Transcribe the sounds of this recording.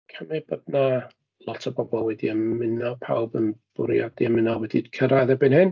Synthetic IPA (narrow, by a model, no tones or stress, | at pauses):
kʰəmɨb̥ɔdna | lˠɔtʰɔbɔbɔlˠwɛdiəmmːɪnapʰa̰wbənb̥ʊɾjadiəmɪnawɛdid̥kʰəɾaðɛbɨnhɪn